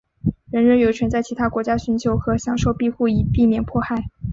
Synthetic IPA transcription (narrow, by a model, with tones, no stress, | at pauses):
ɻə˧˥nɻə˧˥njo˨˩t͡ɕʰɥɛ˧˥nt͡sa˥˩ɪt͡ɕʰi˧˥t̪ʰa˥kwɔ˧˥t͡ɕja˥ɕy˧˥nt͡ɕʰjo˧˥ʊxɤ˧˥ɕjɑ˨˩ŋʂo˥˧ʊpi˥˧xu˥˩i˨˩pi˥˧mjɛ˥˩npʰwɔ˥˧xa˥˩ɪ